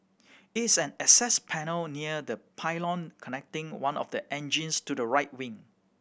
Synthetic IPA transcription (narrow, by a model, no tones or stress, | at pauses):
ɪtsɛ̃nɛsɛspʰɛnəlniədəpʰaɪlɔ̃nkʰɔnɛk̚tɪ̃ŋwãnɔ̰fdəʔɛ̃nd͡ʒĩnstudəɹaɪt̚wɪ̃ŋ